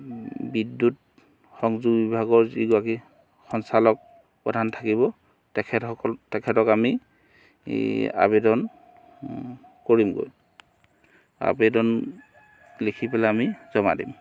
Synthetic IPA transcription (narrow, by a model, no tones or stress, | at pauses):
bidːut̚ | xɔŋzuɡbibʱaɡɔɹziɡɔaki | xɔnsalɔk̚ | pɔdʱantʰakiβɔ | tɛkʰɛtɔtɛkʰɛtɔkami | a̰bedɔn | koɹimɡo̰j | a̰bedɔn | lekʰipɛlaamizɔma̰dḭm